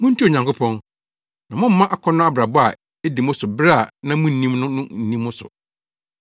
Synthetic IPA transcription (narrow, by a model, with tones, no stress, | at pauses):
mʊ̃˦n̩˦tʰi˦o˨ɲã˨ŋkʊ˦pʰɔ̃˦n | nã˨mʊ̃˦m̩˦mã˦ʔa˦kʰɔ˦nʊ̃˦a˦bɾa˨bɔ˦a̰˨ | e˦di˨mʊ̃˦sʊ˨bɾa˦˨nã˦mʊ̃˦n̩˨nĩ˦mnʊ̃˦nʊ̃˦n̩˨nĩ˦mːʊ̃˦sʊ̰˨